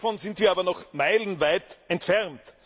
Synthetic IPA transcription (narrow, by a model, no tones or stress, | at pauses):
fɔnzɪntviːɐaːbɐnɔxmaɪlən̩vaɪtʔɛntfɛʁnt